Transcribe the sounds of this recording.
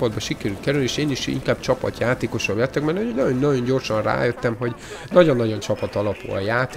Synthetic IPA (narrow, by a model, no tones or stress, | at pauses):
ɒd̪̚bɒʃikɛɾylkɛɾylnieːʃeːniʃḭŋkaːb̥t͡ʃɒpɒ̰t̪jaːt̪eːko̞ʃɒblɛt̪ːɛkmɛnionɒjonːɒjo̞ɲɟo̞rʃɒnra̰ːjøt̪ːɛmɦo̞ɟnɒɟo̞nːɒɟo̞nt͡ʃɒpɒt̪ɒlɒpṵlɒ̰jaːt̪